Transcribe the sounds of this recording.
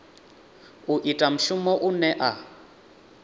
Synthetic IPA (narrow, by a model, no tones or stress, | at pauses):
uʔitʼam̩ʃumɔʔunɛʔa